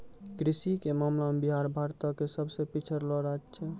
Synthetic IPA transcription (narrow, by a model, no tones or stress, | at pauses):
kɾisikemamlamebiɦaɾbʱaɾt̪akesəbsepit͡ʃʰəɾlɔɾat͡ʃʰɛ